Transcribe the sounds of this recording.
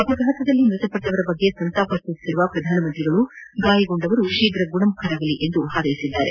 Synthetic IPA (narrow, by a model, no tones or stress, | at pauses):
ɐbɐɡʱaːt̪ɐd̪ɐlːimɾut̪ɐpɐʈːɐʋɐɾɐbɐɡːe̞sɐnt̪aːpɐst̪isi̥siɾuʋɐpɾɐd̪ʱaːnɐmɐnt̪ɾiɡɐɭuɡaːjɐɡoɳɖɐʋɐɾuʃiːɡɾɐɡuɳɐmukʰɐɾaːɡɐliʔend̪uɦaːd̪ɐjisid̪ːaːɾe̞̰